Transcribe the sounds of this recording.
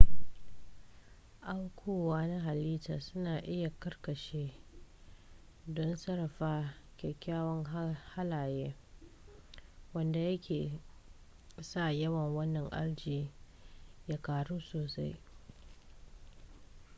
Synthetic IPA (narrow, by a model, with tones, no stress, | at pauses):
ʔa˦wkʷʰuː˨waː˦na˦ɦa˨liː˦taː˨sʊ˦naː˨ʔɪ˦ja˨kɐ˦rkɐ˨ʃeː˦ | dɔ˦nsɐ˦ɾɐ˨ɸaː˦kʲɛ˨kʲːaː˦wɐ˦ŋha˦laː˨jeː˦ | wɐ˦nda˨jɐ˦kʲʰeː˨ | sa˦˨jɐ˦wɐ˨ŋwɐ˦nːɐ˨ŋʔa̰˦ɽd͡ʒiː˨ | jaː˦kaː˨ɽuː˦soː˨sa˦j